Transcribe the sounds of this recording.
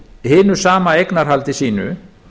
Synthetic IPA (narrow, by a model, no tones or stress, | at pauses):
hɪːnʏsaːmaejknaɾ̥ɦalt̪ɪsiːnʏ̰